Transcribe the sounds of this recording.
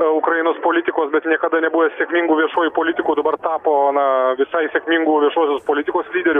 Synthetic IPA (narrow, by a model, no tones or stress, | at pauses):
ʊkɾɐɪnoːspoːlʲɪt̪ʲɪkoːsbʲɛt̪nʲiɛkɐd̪ɐnʲɛbuːʋʲɛsʲeɛkmʲiŋɡuːʋʲiɛʃoːjupoːlʲɪt̪ʲɪkuːd̪ɐbɐrt̪ɑːpoːnɐʋʲɪsɐɪsʲɛkʲmʲiŋɡuːʋʲiɛʃoːsʲoːspoːlʲɪt̪ʲɪkoːslʲiːd̪ʲɛɾʲʊ